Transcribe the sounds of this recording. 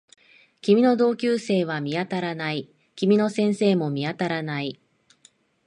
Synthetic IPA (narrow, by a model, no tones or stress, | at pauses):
kʲimʲino̞d̪o̞ːkʲɨːse̞ːβ̞amʲiat̪aɾanai | kʲimʲino̞sẽ̞ɰ̃se̞ːmo̞mʲiat̪aɾanai